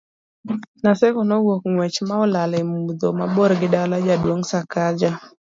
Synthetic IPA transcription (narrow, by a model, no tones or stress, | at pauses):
nasɛkɔnɔɡwokŋwɛt͡ʃmaɔlalɪmud̪omabɔɾɡɪdalad͡ʒadwoŋsakad͡ʒa